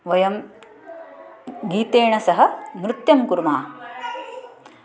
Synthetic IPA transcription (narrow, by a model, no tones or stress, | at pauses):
ʋɐjɐm | ɡiːt̪eːɳɐsɐɦɐ̆mɾɪt̪jɐmkuɾmaː